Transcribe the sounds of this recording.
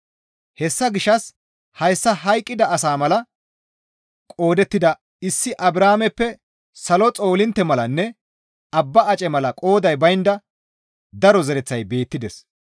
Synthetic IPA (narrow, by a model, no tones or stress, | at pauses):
hɛsːɐɡɪʃːɐs | hɐjsːɐɦɐjkʼːɪd̪ɐɐsaːmɐlɐ | kʼo̞ːd̪ɛt̪ːɪd̪ɐ | ɪsːɪʔɐbɾaːmɛpːɛ | sɐlɔt͡sʼo̞ːlɪnt̪ːɛmɐlɐnːɛ | ɐbːɐːt͡ʃʼɛmɐlɐkʼo̞ːd̪ɐjbɐjɪnd̪ɐ | d̪ɐɾɔzɛɾɛt͡sːɐjbe̞ːt̪ːɪd̪ɛs